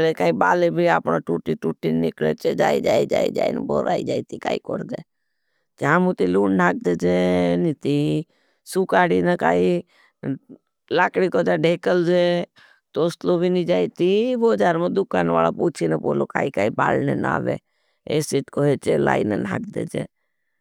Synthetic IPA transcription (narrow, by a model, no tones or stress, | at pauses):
lekaːibaːlebʱiaːpɳaʈuːʈiʈuːʈinɪklḛt͡ʃed͡ʒaːid͡ʒaːid͡ʒa̰ːḭd͡ʒa̰ːḭn̰bo̰ɾa̰ːḭd͡ʒaːit̪ika̰ːiko̰ɾd̪ḛː | t͡ʃaːmũt̪iluːɳnaːk̚d̪ed͡ʒenit̪i | sukaːɽinəka̰ːi | laːkɽikod͡ʒaɖʱeːkəld͡ʒe | t̪oːslobʱinid͡ʒaːit̪iʋod͡ʒaːɾmẽd̪ʊkaːnʋa̰ːla̰puːt͡ʃʰinəbo̰ːloka̰ːikaːiba̰ːlnena̰ːʋḛ | esiːʈkoɦet͡ʃela̰ːinənʱa̰ːkd̪ḛːd͡ʒḛː